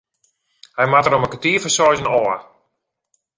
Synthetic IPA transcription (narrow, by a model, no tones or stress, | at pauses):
hɛjmatəɾoməkətiəfəsɔjzənɔə